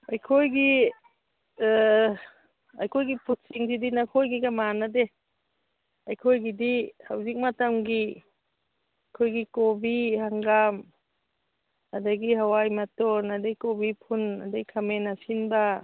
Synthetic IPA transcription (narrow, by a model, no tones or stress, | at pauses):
ajkʰojɡi | a̰jkʰojɡipʰut̚siŋsidinakʰojɡiɡamanade | ajkʰojɡidihawzik̚matamɡi | ajkʰojɡikobihaŋɡam | adaɡihawajmatɔnadejkobipʰunadejkʰamenasinba